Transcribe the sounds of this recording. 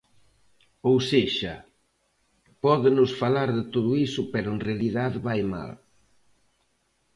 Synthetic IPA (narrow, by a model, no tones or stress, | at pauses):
owseʃɐ | pɔðɪnʊsfalaɾðɪt̪oðʊisʊpɛɾʊenrealiðaðβajma̰l